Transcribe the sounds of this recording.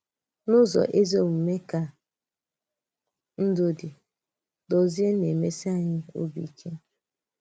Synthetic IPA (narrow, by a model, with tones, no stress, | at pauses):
nʊ˦zɔ̰˨ʔe˦zo˦m̩˨me˦ka˦ | n̩˦dʊ˦dɪ˨ | dɔ˨zi˦e˦ne˨me˦si˦a˨ɲɪ˦o̰˦bḭ˨kʰe˦